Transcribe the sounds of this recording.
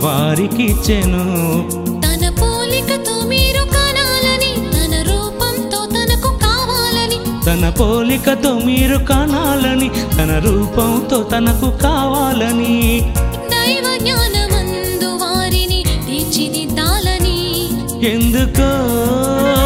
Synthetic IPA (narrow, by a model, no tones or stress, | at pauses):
ʋaːɾikit͡ʃenu | t̪ɐnɐpoːlikɐt̪oːmiːɾukɐnaːlɐnit̪ɐnɐɾuːpɐmt̪oːt̪ɐnɐkukaːʋaːlɐnit̪ɐnɐpoːlikɐt̪oːmiːɾukɐnaːlɐnit̪ɐnɐɾuːpɐmt̪oːt̪ɐnɐkukaːʋaːlɐni | d̪ɐjʋɐɡɲaːnɐmɐn | d̪uʋaːɾinit̪iːt͡ʃinid̪aːlɐni | end̪uko